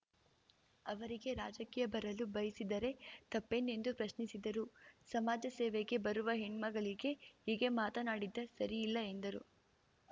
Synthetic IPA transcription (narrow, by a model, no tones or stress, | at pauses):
ɐʋɐɾiɡe̞ɾaːd͡ʒɐkiːjɐbɐɾɐlubɐjisid̪ɐɾe̞t̪ɐpːene̞nd̪upɾɐʃnisid̪ɐɾusɐmaːd͡ʒɐseːʋeɡe̞bɐɾuʋɐɦiɳmɐɡɐɭiɡe̞iːɡe̞maːt̪ɐnaːɽid̪ːɐsɐɾiːlːɐe̞nd̪ɐɾu